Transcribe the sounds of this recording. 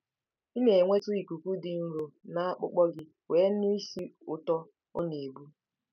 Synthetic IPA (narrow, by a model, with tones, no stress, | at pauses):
i˦me˨ŋʷe˦tʊ˦i˨ku˨kʷu˦dɪ˨ŋ̩˦ɾo˨na˦k͡pʊ̰˦k͡pɔ˦ɡɪ˦ | we˨˦ni˦si˦ʊ˦tɔ˦ | ʊ̰˦ne˨bu˦